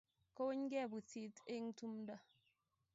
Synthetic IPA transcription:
ko˦we˦ɲɡɛ˦˨bu˨ti˨˦te˦ŋ˦tu˦mda˦

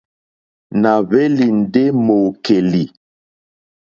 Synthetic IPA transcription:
na˨βe˦li˨n̩˨de˦mo˨ke˨li˨

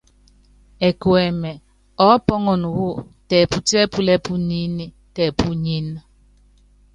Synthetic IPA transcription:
e˨kwɛ˨mɛ˨ | ɔ˦pɔ˦ŋɔ˨nu˨wu˦tɛ˨pu˨tɛ˦pu˦lɛ˦pu˦ni˦ni˦ | tɛ˨pu˦ɲi˦na˦

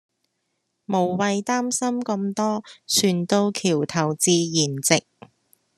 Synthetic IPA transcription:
mo˨˩wwɐ˨˧jt̪aː˥msɐ˥mkɐ˧mt̪ɔː˥sʰyː˨˩nt̪o˧wkʰiː˨˩wt̪ʰɐ˨˩wt͡siː˧jiː˨˩nt͡sɪ˨k̚

